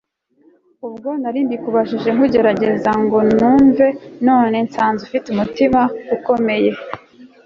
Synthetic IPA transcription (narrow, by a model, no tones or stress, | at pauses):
ubɡo̞naɾiːndikuβaʃiʒe̞ŋkuɟe̞ɾaɟe̞zaŋɡo̞nuːɱve̞no̞ːne̞nt͡saːnzufitumutimauko̞me̞je̞